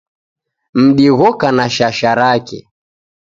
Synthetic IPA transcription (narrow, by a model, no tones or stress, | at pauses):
m̩ɗiɣɔkanaʃaʃaɾakɛ̰